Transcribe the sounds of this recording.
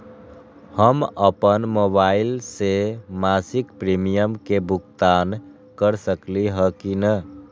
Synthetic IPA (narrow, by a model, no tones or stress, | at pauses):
həməpənmobaɪlsemasikpɾimijəmkebukt̪an | kəɾsəkliɦəkinə